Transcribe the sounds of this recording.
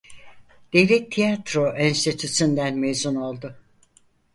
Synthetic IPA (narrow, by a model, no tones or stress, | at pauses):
d̪̥evlʲɛt̪ʰːijat̪ɾoʔinst̪ʰit̪ʰysynd̪ænmezuno̞lˠd̪ʊ